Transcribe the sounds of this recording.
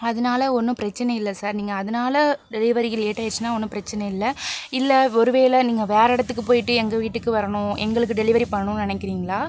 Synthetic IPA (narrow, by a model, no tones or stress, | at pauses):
ɐðɐnaːlɐɔnːɯpɪɾɐt͡ʃːɐnɐɪlːɐsaːɾniːŋɡɐːðɐnaːlɐɖɛlɪʋɐɾɪɣɐleːʈːaːjɪɾt͡ʃːɯnːaːɔnːɯpɪɾɐt͡ʃːɐnɐɪlːɐɪlːɐɔɾɯʋeːlɐniːŋɡɐʋeːɾɛɽɐt̪ːɯk̬ːɯpoːjɪʈːɯɛŋɡɐʋiːʈːɯkːɯʋɐɾɐɳʊ̃ɛ̰ŋɡɐɭɯkːɯɖɛlɪʋɐɾipɐɳɐɳʊ̃nɪnɐkːɪɾiːŋɡɐɭaː